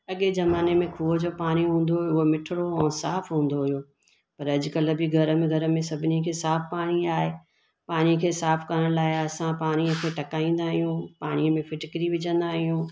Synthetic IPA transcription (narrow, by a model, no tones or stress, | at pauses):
ɐɠezɐmaːnemẽkʰuːʋəd͡ʑoːpaːɽ̃iɦũːn̆d̪ojʊɦomɪʈʰɪɽoɛ̃ːsaːfɦũːn̆d̪oɦʊjoː | pɐɾɐʄʊ̆kɐlə̆bɪɡʱɐɾəmẽɡʱɐɾə̆mẽsɐbʱɪnikʰeːsaːfpaːɽ̃iaːɦe | paːɽ̃ĩkʰeːsaːfkɐɾəɽ̃laːɪɐsãpaːɽ̃ĩkʰeʈɐkaːĩːn̆d̪aːɦijũpaːɽ̃iəmẽfɪʈɪkɾiʋɪd͡ʑə̃nd̪aɦijũː